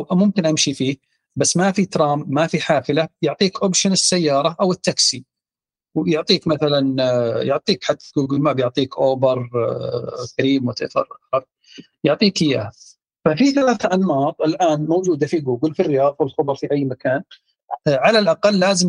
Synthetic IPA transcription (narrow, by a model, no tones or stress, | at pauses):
mʊmkɪnʔamʃifiː | basːmafit̪ɾˤɑːmːafiħaːfɪlajʊʕt̪ˤiːkʔopʃanɪsːajːɑːɾˤɑʔawɪt̪ːaksi | wjʊʕt̪ˤiːkmaθalanjʊʕt̪ˤiːkħat̪ːɡuːɡlmabjʊʕt̪ˤiːkʔoːbɨɾˤ | kaɾiːmwɪt̪ɪ̰fɑ̰ɾˤʔakθɑɾˤ | jʊʕt̪ˤiːkɪja̰ː | fafiθalaːθʔanwɑːt̪ˤɪlʔaːnmowd͡ʒuːd̪afiɡuːɡɪlfirːɪjɑːðˤwɪlxʊbɑɾˤfiʔajːmakaːn | ʕalalʔaqɑlːaːzɪm